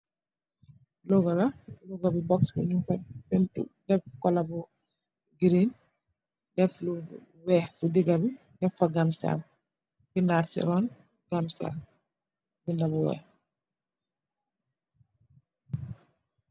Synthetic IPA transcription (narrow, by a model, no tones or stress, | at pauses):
lɔɡɔlalɔɡabibɔksbḭɲumpabɛntṵdɛfkɔlabu | ɡiɾin | dɛflu | wɛːhsidiɡabi | dɛfːaɡamsa̰l | bindaːɾsḭɾɔn | ɡamsɛ̰l | bindabuwɛ̰ːh